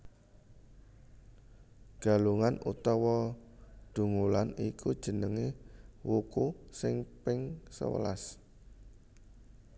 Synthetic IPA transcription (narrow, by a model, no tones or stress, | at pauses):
ɡ̥a̤luŋanut̪ɔwɔ | d̪̥ṳŋulanikʰud̥ʒ̥ə̤nəŋewukusɪŋpɪŋsə̰wə̰la̰s